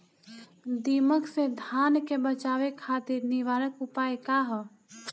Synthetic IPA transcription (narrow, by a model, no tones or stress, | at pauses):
d̪iməksed̪ʱaːnkebət͡ʃaʋekʰːat̪iɾniʋaːɾəkupajkaɦɔ